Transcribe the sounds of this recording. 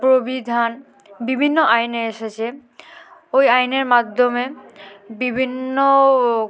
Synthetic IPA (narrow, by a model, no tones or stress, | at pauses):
pɾobid̪ʱan | bibʱinːoʔajneeʃet͡ɕʰe | ojajneɾmad̪ʱːomebibʱinːo